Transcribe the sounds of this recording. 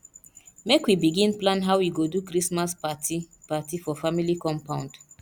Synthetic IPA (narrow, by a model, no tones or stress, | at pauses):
mekwibiɡĩnplãnɦaʊwwiɡodukɾismaspati | patifɔfamilikɔ̃mpãʊ̃nd